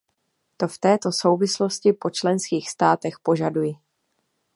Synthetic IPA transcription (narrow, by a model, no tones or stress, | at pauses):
t̪o̞ft̪ɛːt̪o̞so̞wvɪslo̞scɪpo̞t͡ʃlɛnskiːxst̪aːt̪ɛxpo̞ʒadujɪ